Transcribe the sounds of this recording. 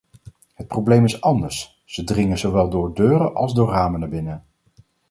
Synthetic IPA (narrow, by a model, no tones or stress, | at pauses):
ɦət̚prowblejmɪsɑndəɹs | z̥ədrɪŋəzoʋɛlˠdʊːɹdøːɾəʔɑ̰lˠzdʊːraːmənəbɪnə